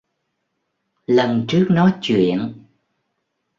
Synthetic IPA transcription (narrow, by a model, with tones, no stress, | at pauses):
lə˨˩nt͡ɕɨ˦˥ək̚nɔ˨˦t͡ɕwḭ˧˨ən